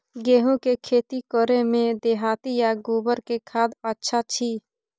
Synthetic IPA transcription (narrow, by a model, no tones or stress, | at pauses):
ɡeːɦũkekʰeːt̪ikɔɾemẽd̪eːɦaːt̪ijaɡuːbəɾkekʰaːd̪paːtːʃʰat͡ʃʰiː